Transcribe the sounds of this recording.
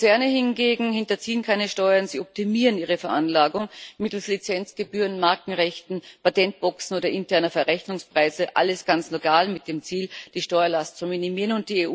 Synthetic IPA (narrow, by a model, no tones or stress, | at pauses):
t͡sɛɐnəhɪnɡeːɡŋ̩hɪntɐt͡siːənkʰaɪnəʃtɔʏɐnz̥iːɔp̚timiːʁəniːʁ̞əfɛɐʔanlaːɡʊŋmɪtl̩slit͡sɛnt͡sɡ̥əbyːʁənmaɐkŋ̩ʁɛçtn̩patɛnt̚b̥ɔksn̩oːɾɐʔɪntʰɛɐnɐfɛɐʁɛçnʊŋspʁ̥aɪzəʔa̰ləsɡ̥ant͡slokʰaːlmɪt̚d̥eːmt͡siːld̥iːʃtɔʏɐlast̚t͡sʊminimiːʁənʊnt̚d̥iːeː